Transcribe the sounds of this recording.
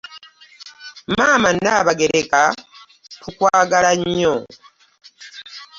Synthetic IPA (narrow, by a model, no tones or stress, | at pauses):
maːmanːaːβaɡe̞ɾeka | kukwaːɡalaɲːo